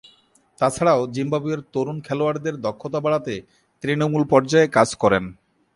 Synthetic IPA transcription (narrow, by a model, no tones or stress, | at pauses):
t̪at͡ɕʰaɽaod͡ʑimbabieɾt̪oɾunkʰɛloaɾd̪eɾd̪ɔkʰːot̪abaɭat̪e | t̪ɾinomulpɔɾd͡ʑaekad͡ʑkɔɾen